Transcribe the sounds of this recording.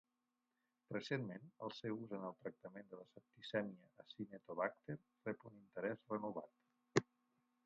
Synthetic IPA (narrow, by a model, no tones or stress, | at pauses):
rəsenmenə̰lˠsɛwuzənəlˠt̪ɾək̚t̪əmend̪ələsəp̚t̪isɛmiəːsinet̪oβak̚t̪eɾ | rɛpunint̪əɾɛzrənuβa̰t̪